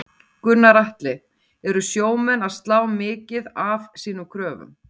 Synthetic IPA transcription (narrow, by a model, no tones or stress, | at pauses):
kʏnːaɾaht̪lɪ | ɛɾʏsjoːwmɛnaðst̪laːwmɪːcɪðavsiːnʏmkʰɾœːvʏ̰m